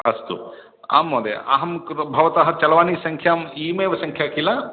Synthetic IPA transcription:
ɐst̪ṵ | a̰ːmːoːd̪ḛa̰ɦɐmɾbʱɐʋɐt̪aɦɐt͡ʃɐlɐʋaːnisɐŋkʰjaːmiːmeːʋɐsɐŋkʰjaːkilaː

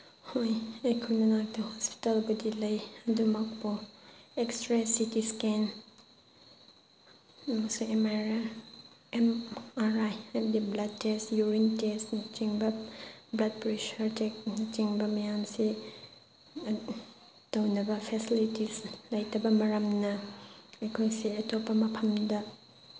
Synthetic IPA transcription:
hojɐjkʰunɐnak̚tɐhɔspi̥talbudilɐjɐdumɐk̚pɔekstɾesitisken | ɐmɐsuemaɾa | emaɾajadiblɐd̚tesjuɾintesnt͡ʃiŋbɐblɐd̚pɾiʃɐɾtek̚nt͡ʃiŋbɐmɐjamsi | tɐwnɐbɐpʰesilitislɐjtʰɐbɐmɐɾɐmnɐɐjkʰojsiɐtopːɐmɐpʰɐmdɐ

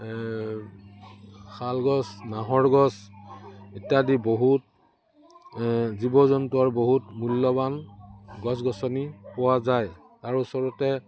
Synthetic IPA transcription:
kʰalɡɔsnaɦɔɹɡɔs | etjadiboɦut̚ | zibɔzɔntuɔɹboɦutmulːɔbanɡɔsɡɔsɔnipɔwazaj | taɹusɔɹɔtɛ

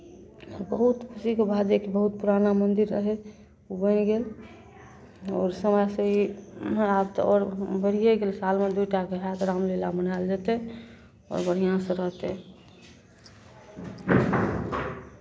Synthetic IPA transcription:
ɔɾbəɦut̪kʰusikebʱad͡ʒekebəɦut̪̚puɾanamənd̪iɾːəɦɛ | ubənɡel | ɔːɾsəmajsə̃i | at̪ɔ̰ɾbəɽ̤ijeɡelsalmed̪ujʈaɾkeɦad̪ɾamlelabənajld͡ʒat̪ɛ | ɔ̰ɾbəɽ̤ijãsə̃ɾəɦt̪ɛ

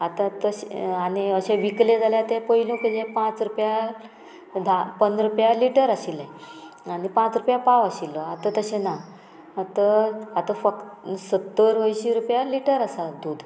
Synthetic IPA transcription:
at̪ãt̪əɕaniəɕẽʋiklẽd͡zʱaljat̪ɛ̃pəjilũkid͡ʑẽpãt͡sɾupja | d̪ʱapənɾupjaliʈəɾaɕilɛ̃anipãt͡sɾupjapaʋaɕilːəat̪ãt̪əɕẽna | t̪əat̪ãfəksət̪ːəɾʋəjɕiɾupjaliʈəɾəsad̪uːd̪ʱ

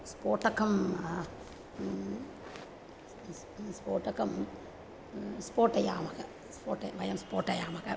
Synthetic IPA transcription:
spoːʈɐkɐm | spoːʈɐkɐm | spoːʈɐjaːmɐkɐ | spoːʈɐʋɐjɐmspoːʈɐjaːmɐkɐ

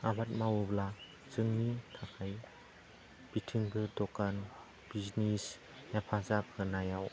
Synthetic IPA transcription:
abat̚mawubla | zɯŋnitʰakʰaj | b̥itʰiŋbɯdɔkan | b̥iznis | japʰazap̚hɯnajaw

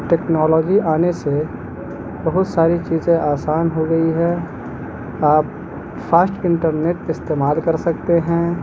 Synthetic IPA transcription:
ʈeːknɔːlɔːd͡ʒiaːnese | bɐɦʊt̪saːɾit͡ʃiːzẽʔaːsaːnɦoɡɐiɦɛː | aːp̚ | faːsʈɪ̃ɳʈəɾneʈɪst̪eːmaːlkɐɾsɐk̚t̪eɦɛ̃ː

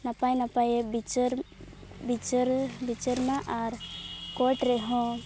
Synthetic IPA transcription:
napajnapajebit͡ʃɾbit͡ʃɾbit͡ʃəɾnaʔaɾkɔʈɾɛɦɔ̃

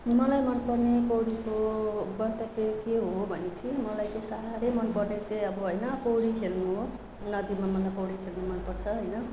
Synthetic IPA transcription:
mʌlajmʌnpʌrnepʌwɽikoɡʌnt̪ʌkekeɦobʱʌnet͡sʰimʌlajt͡sʌĩsaɾalemʌnpʌrnet͡sʌĩʌbʌɦojnʌpʌwɽikʰelnu | nʌd̪imamʌlajpʌwɽikʰelnumʌnpʌrt͡sʰʌɦʌjnʌ

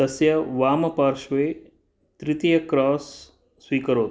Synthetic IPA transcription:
ɐsjɐʋaːmɐpaɾʃʋeː | t̪ɾɪt̪ijɐkɾɔːsː | ʋiːkəɾoːt̪

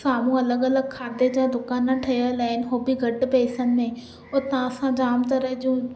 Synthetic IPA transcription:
saːmũːələɡələɡ̚kʰaːd̪eːd͡ʒãːd̪ʊkaːnãːʈʰəjaːlaːɪnɦoːbiːɡəɖpeːsənmẽː | ot̪ãːəsãːd͡ʒaːmt̪əɾəd͡ʒũː

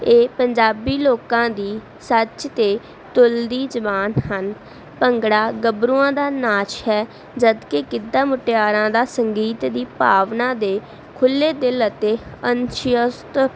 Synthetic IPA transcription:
eːpəɲd͡ʒaːbiːloːkãːd̪iː | sət͡ʃt̪eː | t̪ʊld̪iːd͡ʒəbaːnhən | pəŋɡɽaːɡəbɾuːãːd̪aːnaːt͡ʃɦɛː | d͡ʒəd̪kekɪd̪ãːmʊʈɪjaːɾãːd̪aːsəŋɡiːt̪d̪iːpaːʋnãːd̪eː | kʰʊlːeːd̪ɪlət̪eːənʃjəst̪

